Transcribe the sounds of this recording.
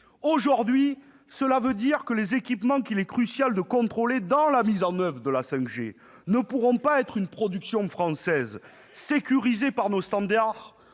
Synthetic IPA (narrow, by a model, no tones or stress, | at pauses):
oʒuʁd̪ɥi | səlavød̪iʁkəlezekʲipmɑ̃kilɛkχysjald̪əkɔ̃t̪χoled̪ɑ̃lamizɑ̃nœvʁəd̪əlasɛ̃kʒḛ | nəpuʁɔ̃paɛt̪χynpχɔd̪yksjɔ̃fχɑ̃sɛz | sekʲyʁizepaʁnost̪ɑ̃d̪aʁ